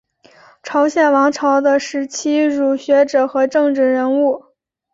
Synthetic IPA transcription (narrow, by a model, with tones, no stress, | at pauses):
ʈ͡ʂʰɑ˧˥ʊɕjɛ˨˩nwɑ˧˥ŋʈ͡ʂʰɑ˧˥ʊd̪ə˧ʂɻ̩˧˥t͡ɕʰi˥ɻu˨˩ɕɥɛ˧˥ʈ͡ʂɤ˨˩xɤ˧˥ʈ͡ʂɤ˥˧ŋʈ͡ʂɻ̩˥˩ɻə˧˥nu˥˩